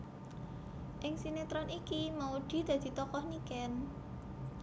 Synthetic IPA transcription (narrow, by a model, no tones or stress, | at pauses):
ʔɪŋsinet̪ɾɔnikimaud̪̥i̤d̪̥ä̤d̪̥i̤t̪ɔkɔhnikɛn